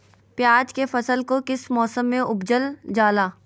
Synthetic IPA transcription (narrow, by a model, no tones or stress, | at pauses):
pjaːd͡ʒkefɐsəlkokɪsmɔːsəmːẽʔʊbd͡ʒəld͡ʒaːlaː